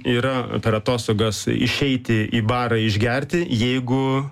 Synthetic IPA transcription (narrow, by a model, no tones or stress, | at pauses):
iːɾɐpʲɛɾɐt̪oːst̪oːɡɐsɪ̰ʃʲɛɪt̪ʲɪʔiːbɑːɾɐɪʒʲɡʲɛrʲt̪ʲɪjɛɪɡʊ